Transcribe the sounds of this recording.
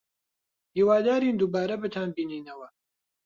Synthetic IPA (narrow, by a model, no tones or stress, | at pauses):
hiːwaːd̪aːɾiːnd̪uːbaːɾɐbɨt̪ʰaːnbiːniːnɐwɐ